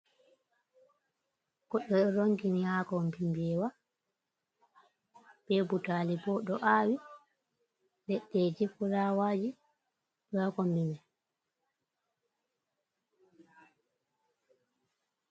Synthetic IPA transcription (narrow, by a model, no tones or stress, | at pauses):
kɔɗɛɾoŋkinihakɔmpimbɛːwa | bɛbutaːlibɔɗɔʔawi | lɛɗːɛd͡ʒifuɾawaːd͡ʒi | ɗɔhakɔmbimɛ